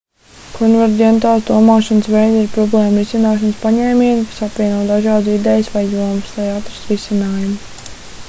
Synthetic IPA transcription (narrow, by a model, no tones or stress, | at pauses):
kʰɔnvɛɾdʲɛnt̪aːlˠsd̪uɔmaːʃanəsʋɛjd̪iɾpɾɔblˠɛːmɾisinaːʃanspaɲɛːmʲiːnkḁsapvʋʲiɛnuɔd̪aʒɑːd̪sid̪ɛjsʋajuɔmst̪ajat̪ɾɨ̥sɾisinaːjumu